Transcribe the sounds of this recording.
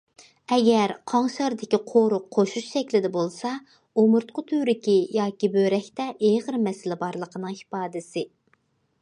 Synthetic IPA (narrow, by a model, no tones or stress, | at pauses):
ɛɡʲɛɾqʰɑŋʃɑɾd̪ɪkʲiqʰoɾʊqʰːoʃuʃʃɛkʲlɪd̪ɛbolˠsɑ | omʊɾt̪̚qʰʊt̪ʰyɾɪkʲijɑːkʲibøɾɛkʲt̪ɛʔeʁəɾmɛsɪlɪbɑɾlˠəqʰənɨŋhi̥pɑːd̪ɪsɪ